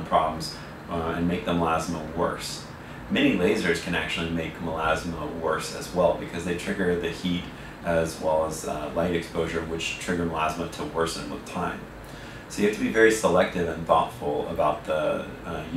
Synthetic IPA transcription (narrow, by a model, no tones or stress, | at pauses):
pʰɹ̥ɑblm̩z | ɨ̰̃nmeɪk̚ðə̃mlæzməwɜ̰˞s | mɛñileɪzə˞z̥kʰɨ̃næ̰k̚t͡ʃʉl̩ˠimeɪkməlæzməwɜ˞sɨ̰zwɛlˠbɨkʰʌzðeɪtʰɹ̥ɪɡə˞ðɨhiɾ | ʔɨzwɛlˠəzlaɪɾɨkspoʊʒə˞wɨt͡ʃtʰɹ̥ɪɡə˞məlæzməɾʰəwɜ˞sɨ̰̃nwə̰ð̥tʰãɪ̃m | soʊjɨæftʰɨbivɛɹisəlɛk̚tɨvɨ̃nθɔ̰tfl̩ˠə̰baʊt̪̚ðə